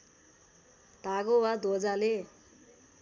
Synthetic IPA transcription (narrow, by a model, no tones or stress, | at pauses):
t̪aɡowad̪od͡zale